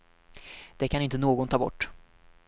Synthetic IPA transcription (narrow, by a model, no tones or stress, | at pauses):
d̪̥ɛkʰanɪnt̪ənoːɡɔnt̪ʰɑːbɔ̰ʈː